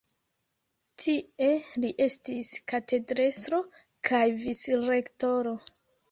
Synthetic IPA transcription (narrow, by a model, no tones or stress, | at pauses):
tʰie̞liʔe̞stiskate̞dɾesɾo̞ | kʰajvisɾe̞kto̞ɾo